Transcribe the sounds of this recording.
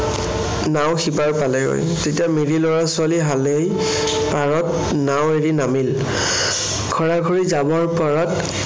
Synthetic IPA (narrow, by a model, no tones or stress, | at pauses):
naw̃xipaɹpalɛɡo̰j | tetijamiɹilɔɹasʊaliɦalej | paɹɔt | naweɹinamil | kʰɔɹaɡʱoɹizabɔɹpɔɹat